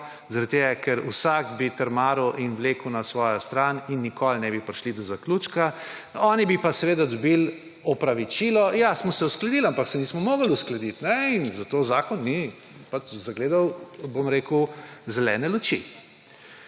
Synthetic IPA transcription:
zaɾat̪̚t̪eːɡakɛɾṵsakbit̪əɾmaːɾuʔinʋleːkwnasʋɔːjɔst̪ɾaːninːikɔlnɛbipɾiʃlid̪ɔzakluːt͡ʃkaɔːnibipasɛʋeːd̪ad̪ɔbil | ɔpɾaʋit͡ʃiːlɔjasmɔsɛusklɐd̪ilampaksɛniːsmɔmoːɡalusklɐd̪it̪nɛinzat̪oːzaːkɔnːi | pat͡ʃzaɡleːd̪awbomɾeːkuzɛlɛːnɛlut͡ʃḭ

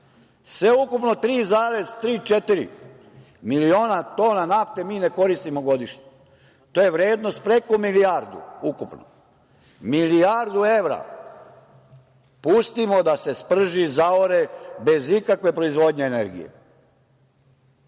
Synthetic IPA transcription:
sʋe̞ukupno̞t̪ɾiːzaːɾe̞zt̪ɾiːt͡ʃet̪iɾḭ | milio̞ːnat̪o̞ːnanaft̪e̞miːne̞ko̞ɾist̪imo̞ɡo̞d̪iʃɲe | t̪oːjeʋɾje̞ːd̪no̞st̪̚pɾe̞komiliaɾd̪ṵukupno̰ | miliaɾd̪ue̞ʋɾa̰ | pust̪imo̞d̪ase̞spr̩ʒizaoɾe̞be̞zikakʋe̞pɾo̞izʋo̞d̪ɲe̞ːne̞ɾɡḭjḛ

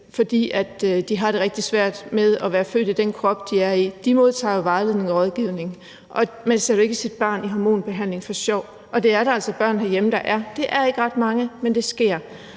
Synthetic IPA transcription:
fɒ̽d̥ḭːæd̥d̥iɦɑ̈ɾ̥e̝ʁɛɡ̥̚d̥isʋæɐ̰d̥með̞ˠæʋæːɐfø̰ːd̥id̥enkʰʁɒ̽b̥d̥iæɐid̥imo̝ð̞ˠt͡sʰɑ̰̈ːjo̝ʋɑ̈ɪle̝ð̰ˠne̝ŋɒ̽ʁɒ̽ð̞ˠɡ̥iʊne̝ŋ | ʔɒ̽ | mænse̝ɐɾoe̝ɡ̥əsid̥̚b̥ɑ̰̈ːniɦɑmo̝̰ːnb̥e̝ɦæn̰le̝ŋfɒ̽ɕɒʊ̰ | ʔɒ̽d̥e̝æɐɾɑælsɒ̽b̥ɶɐ̰nhæɐjeməd̥ɑ̈ʔæɐd̥e̝ʔæɐe̝ɡ̥əʁɑ̈d̥mɑ̈ŋəmend̥e̝sɡ̥e̝ɐ̰

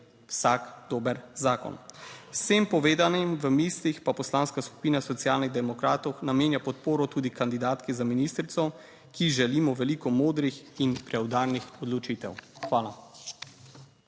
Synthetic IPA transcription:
wsakd̪oːbəɾzaːkɔ̰nwsempɔʋeːd̪animʋəmiːslixpapɔslaːnskasku̥piːnasɔt̪sjaːlniɣd̪ɛmɔkɾaːt̪ɔwxnameːnjapɔt̪poːɾɔt̪uːd̪ikand̪id̪aːt̪kɛzaminiːst̪ɾit̪sɔ | kiʒɛliːmɔʋɛlikɔmoːd̪ɾixinpɾɛwd̪aːɾnixɔd̪lɔt͡ʃiːt̪ɛ̰wxʋaːla

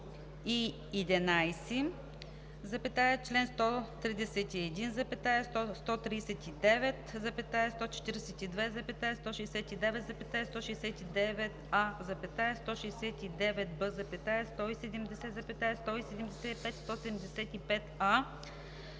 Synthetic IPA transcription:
iː | d̪ɛnajsɛ | zɐpɛt̪aɛt͡ʃlɛnst̪ɔt̪ɾid̪ɛsɛt̪iɛd̪inzɐpɛt̪aɛst̪ɔst̪ɔt̪ɾiːsɛt̪id̪ɛvɛt̪zɐpɛt̪aɛst̪ɔt͡ʃɛ̥t̪iɾsɛt̪id̪vɛzɐpɛt̪aɛst̪ɔʃɛjsɛt̪id̪ɛvɛt̪zɐpɛt̪aɛst̪ɔʃɛjsɛt̪id̪ɛvɛt̪azɐpɛt̪aɛst̪ɔʃɛjsɛt̪id̪ɛvɛt̪̚bɤzɐpɛt̪aɛst̪ɔisɛd̪ɛmd̪ɛsɛt̪zɐpɛt̪naɛst̪ɔisɛd̪ɛmd̪ɛsɛipɛt̪st̪ɔsɛd̪ɛmd̪ɛsɛt̪ipɛt̪a

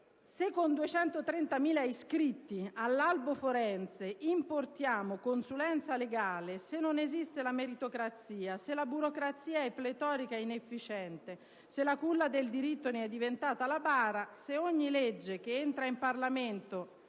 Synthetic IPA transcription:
sekːond̪uet͡ʃɛnt̪ot̪ɾɛnt̪amiːlaiskɾit̪ːialːalbofoɾɛnt̪seimport̪jaːmokonsulɛnt̪saleɡaːlesenːonezist̪elameɾit̪okɾat̪siːaselabuɾokɾat̪sːiːaɛpːlet̪ɔːɾikaɛinefːit͡ʃɛnt̪e | selːakulːad̪eld̪iɾit̪ːoneɛd̪ːivent̪aːt̪alabaːɾaseoɲːiled͡ʒːek̟eent̪ɾaimparlament̪o

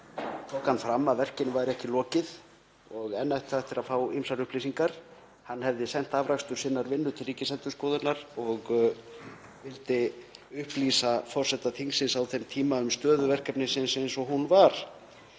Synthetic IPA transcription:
t̪ʰɔːkanfɾamːaðvɛr̥cɪnvajɾɛhcɪlɔːcɪð | ɔɣɛnːat̪ɛft̪ɪɾaðfaːwijmsaɾʏhpliːsiŋkaɾ̥ | hanːhɛvðɪsɛn̥t̪avɾakst̪ʏɾ̥sɪnːaɾvɪnːʏt̪ʰɪlriːcɪsant̪ʏ̥skɔːðʏnaɾ̥ɔɣ | vɪlt̪ɪʏhpliːsafɔr̥sɛt̪ːaθʰinsɪnsawθɛmt̪ʰiːmaʏmst̪œːðʏvɛr̥kɛpnɪsɪnsɪnsɔɦunvaɾ̥

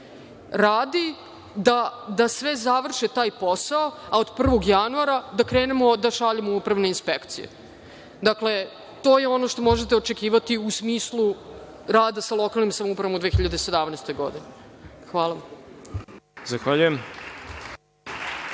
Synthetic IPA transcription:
ɾaːd̪i | d̪ad̪asʋe̞zaʋr̩ʃet̪aːjpo̞saoaod̪pr̩ʋo̞ɡjanuaɾad̪akɾe̞ːnemo̞d̪aʃaʎimoupɾaʋne̞inspekt̪sḭḛ | d̪akle̞ | t̪o̞ːjeo̞no̞ʃt̪o̞mo̞ʒet̪eot͡ʃekiːʋat̪iusmiːslˠu | ɾaːd̪asalˠo̞kalˠnimsamoupɾɐʋamud̪ʋeːçiʎad̪ese̞d̪amnejst̪o̞jɡo̞̰d̪inexʋaːlˠam | zaxʋaʎujem

